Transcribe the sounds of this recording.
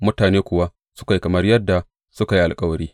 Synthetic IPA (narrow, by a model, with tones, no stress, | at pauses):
mʊ˦taː˨neː˦kʷʊ˨wa˦ | sʊ˦ka˨ji˦kɐ˨mɐ˦rjɐ˦dːa˨ | sʊ˦ka˨ji˦ʔa˨lkʼɐ˦wɐ˨ɽiː˦